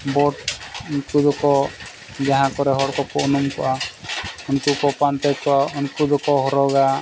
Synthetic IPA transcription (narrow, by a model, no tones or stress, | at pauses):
bɔʈnkud̪ɔkɔ | d͡ʒaɦãkɔɾɛɦɔɽkɔkɔʔunumkɔʔa | unkukɔpant̪ɛkɔaunkud̪ɔkɔɦɔɾɔɡa